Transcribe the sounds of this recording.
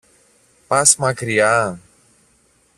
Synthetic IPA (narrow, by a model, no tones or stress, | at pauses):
pasmakɾia